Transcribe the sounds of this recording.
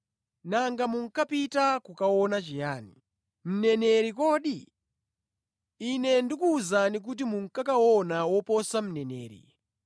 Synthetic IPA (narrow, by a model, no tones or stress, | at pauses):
naŋɡamuŋ̩kapitakukawɔnat͡ʃijaːnḭ | m̩nɛnɛɾikɔːɗi | inɛndikuːzanik̬ut̬imuŋ̩kakawɔnawɔpɔsam̩nɛnɛ̰ːɾḭ